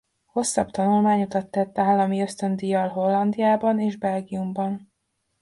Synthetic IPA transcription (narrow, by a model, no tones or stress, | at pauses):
ho̞sːɒbt̪ɒnulmaːɲot̪ɒt̪ːɛt̪ːaːlːɒmiøst̪ønd̪ijɒlɦo̞lːɒnd̪ijaːbɒneːʒbɛlɡijumbɒn